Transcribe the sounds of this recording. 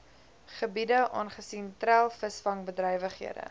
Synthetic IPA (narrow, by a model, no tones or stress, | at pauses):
χəbidəʔɑ̰ːnχəsintrælˠfəsfɐŋbədrəjvəχɦḭədə̰